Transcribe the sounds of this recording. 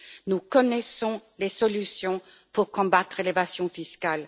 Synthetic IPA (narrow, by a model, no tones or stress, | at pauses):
nukɔnɛsɔ̃lesɔlysjɔ̃ | puʁkɔ̃bat̪χelevasjɔ̃fiskal